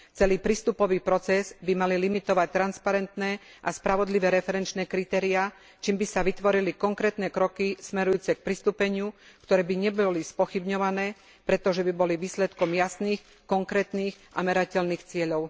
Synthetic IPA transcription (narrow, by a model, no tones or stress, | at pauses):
t͡sɛliːpɾist̪upɔʋiːpɾɔt͡sɛzbimalilimit̪ɔʋac̚t̪ːɾanspaɾɛnt̪nɛ | ʔaspɾaʋɔd̪liʋɛːɾɛfɛɾɛnt͡ʃnɛːkɾit̪ɛːɾia | t͡ʃiːmbisaʋit̪ʋɔɾilikɔŋkɾɛːt̪nɛːkɾɔkismɛɾujuːt͡sɛk̚pɾist̪upɛɲɪukt̪ɔɾɛːbiɲɛbɔlispɔxibɲɔʋanɛː | pɾɛt̪ɔʒɛbibɔliʋiːslɛt̪kɔmjasniːx | kɔŋkɾɛːt̪niːxʔa̰mɛɾacɛlniːxt͡sɪɛʎɔʊ